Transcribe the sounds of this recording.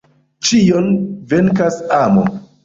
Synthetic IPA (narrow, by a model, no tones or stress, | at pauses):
t͡ʃijonveŋkasamo̰